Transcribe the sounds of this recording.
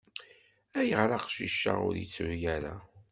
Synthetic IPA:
æjəʁɾaqʃiʃːa̰ʊ̰ɾjit͡sːuɾjæɾa̰

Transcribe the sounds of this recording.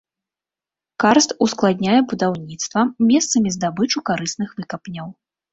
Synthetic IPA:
karst̪usklˠad̪ʲnʲajɛbud̪awnʲit̪st̪vɐmʲɛst̪sɐmʲizd̪abɨt͡ʂukaɾɨsnɨxvɨkɐpnʲɐw

